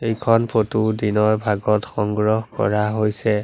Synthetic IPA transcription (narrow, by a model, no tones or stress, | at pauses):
ejkʰɔnpʰotudinɔɹbʱaɡɔtxɔŋɡɹɔhkɔ̰ɹaɦojsɛ